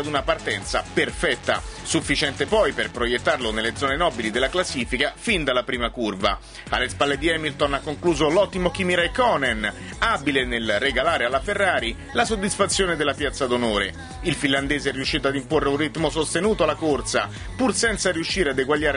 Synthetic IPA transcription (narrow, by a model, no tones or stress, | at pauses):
ad̪unapart̪ɛnt̪sa̰perfɛt̪ːa̰sufːit͡ʃɛnt̪epɔjperpɾojet̪ːarlonelːed̪zɔːnenɔːbilid̪elaklasːiːfikafind̪alːapɾiːmakurva̰ | a̰lːespalːed̪iɛmilt̪onakːoŋkluːzolɔt̪ːimok̟imiɾajkɔːnɛn | abilenelrːeɡalaːɾealːaferːaːɾi | lasod̪ːisfat̪sːjoːned̪elːapjat̪sːad̪onoːɾḛ | ilfinland̪ɛːzeɛrːiuʃːiːt̪oad̪imporːeunrit̪mosost̪enuːt̪oalːakort̪sa̰ | pursɛnt̪saɾiuʃːiːɾead̪eɡwaʎːaːɾ